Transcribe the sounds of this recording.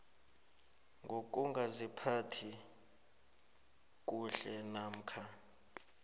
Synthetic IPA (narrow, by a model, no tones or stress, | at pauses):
ŋɡʱok̬ʼuŋɡʱazipʰatʰi | k̬ʼuɬɛnaːm̩kʰa